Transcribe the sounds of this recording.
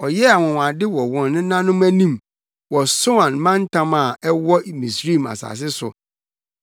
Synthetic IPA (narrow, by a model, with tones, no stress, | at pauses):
ɔ˨jɛ˦a˨wɔ̃˨wã˨dɪ˦wɔ˨wɔ̃˨nː˦ɪ̃˦nã˦nʊ̃˦mæ˦nĩ˦m | wɔ˨so˦ã˨nmã˦n̩˦tʰã˦ma˨ɛ˦wɔ˦˨mĩ˨sɾi˦˨ma̰˨sa̰ː˨s̬ɪ˦sʊ̰˨